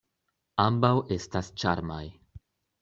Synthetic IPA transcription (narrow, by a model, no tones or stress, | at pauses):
ambawest̪ast͡ʃa̰ɾmaj